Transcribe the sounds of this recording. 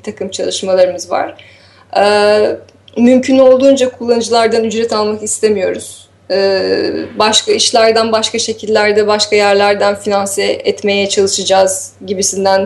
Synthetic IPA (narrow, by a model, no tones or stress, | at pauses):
bit̪ʰakɯmt͡ʃʰalˠɯʃmalˠaɾɯmɯzva̰ɾ̥ | ɛ | mymcʰyno̞lˠd̪uːnd͡ʒakʰulˠːanɯd͡ʒɯlˠaɾd̪anyd͡ʒɾɛt̪ʰalˠmakist̪ʰe̞mijo̞ɾuz̥ | baʃkʰaiʃlʲæɾd̪ænbaʃkaʃe̞cʰilʲːæɾd̪ɛbaʃkʰajæɾlʲæɾd̪ænfinansɛɛt̪me̞jɛt͡ʃʰalˠɯʃɯd͡ʒaːz | ɟibisind̪æn